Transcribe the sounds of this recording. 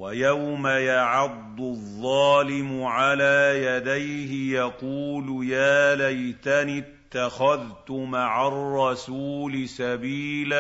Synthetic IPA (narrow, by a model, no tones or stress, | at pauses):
wajawmajaʕɑd̪ˤːʊðˤːɑːlɪmʊʕalaːjad̪ajhɪjɑquːlʊjaːlajt̪anɪt̪ːaxaðt̪ʊmaʕarˤːɑsuːlɪsabiːla